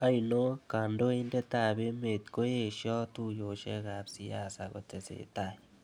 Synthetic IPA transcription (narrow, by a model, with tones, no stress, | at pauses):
ɐ˦jno˦ka˨ndo˦e˦nde˦ta˨be˦me˨t̪ko˦je˨ʃjɔ˦tu˦jo˨ʃḛ˦ka˨psi˦a˨sa˨ko̰˨te˨sḛ˨ta˦˨j